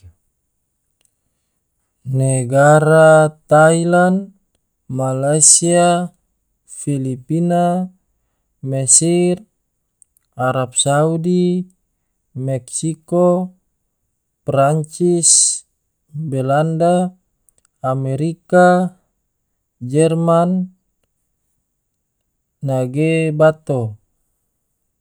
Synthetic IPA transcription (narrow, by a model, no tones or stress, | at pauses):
neɡaɾat̪ailan | malasia | filipina | mɛsir | aɾap̚saudi | mɛksiko | praɲt͡ʃis | bɛlandaː | mɛɾika | d͡ʒɛrman | aɡebat̪o